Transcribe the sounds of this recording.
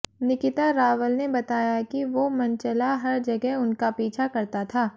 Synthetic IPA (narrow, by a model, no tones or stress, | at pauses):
nɪkɪt̪aɾaːʋəlnebɐt̪aːjakiʋomɐnt͡ʃɐlaɦɐɾd͡ʒɐɡɛɦʊnkapiːt͡ʃʰakɐɾt̪at̪ʰaː